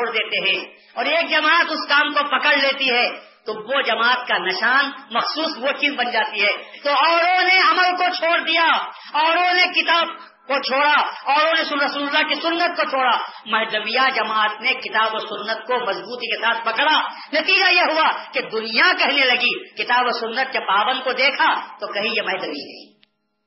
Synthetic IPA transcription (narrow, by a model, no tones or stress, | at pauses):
t͡ʃʰoːɽd̪eːt̪eɦɛ̃ː | ɔːɾeːk̚d͡ʒɐmaːt̪ʊskaːmkopɐkəɽleːt̪iɦɛː | t̪oʋod͡ʒɐmaːət̪̚kanɐʃaːnmɐxsuːsʋoʈizbɐnd͡ʒaːt̪iɦɛːt̪oɔːɽõneɐməlkot͡ʃʰoːɽd̪ija | ɔːɾõnekɪt̪aːb̚ | kot͡ʃʰoːɽaɔːɾõnesʊɐsuːllːakisʊnːət̪̚kot͡ʃʰoːɽamɐɦd̪ɐwijad͡ʒɐmaːt̪nekɪt̪aːboːsʊnːət̪̚komɐzbuːt̪ikesaːt̪ʰpɐkɽa | nɐt̪iːd͡ʒajeɦʊaked̪ʊnijakɛɦnelɐɡikɪt̪aːboːsʊnːət̪̚d͡ʒɐbːaːbə̃n̚kod̪eːkʰat̪okɐɦĩjemɐɦd̪əbḭnɐ̰ḭ̃ː